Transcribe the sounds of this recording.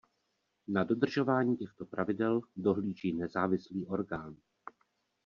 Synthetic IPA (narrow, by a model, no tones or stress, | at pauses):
nado̞d̪r̩ʒo̞vaːɲiːcɛxt̪o̞pɾʔavɪdɛldo̞ɦliːʒiːnɛzaːvɪsliːʔo̞ɾɡaːn